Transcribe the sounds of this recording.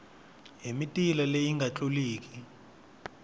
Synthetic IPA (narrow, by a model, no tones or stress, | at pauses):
ɦemitʼilalejiŋɡʱat͡ɬʼuliːk̬ʰʼi̥